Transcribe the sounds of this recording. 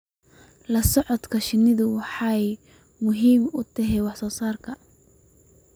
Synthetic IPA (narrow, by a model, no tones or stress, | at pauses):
lɐsɔʕɔd̪kʰɐʃɪnɪðʊwɑħɑj | mʊɦiːmʊt̪ʰɐɦɛwɑħsɔːsaːrkʰɐ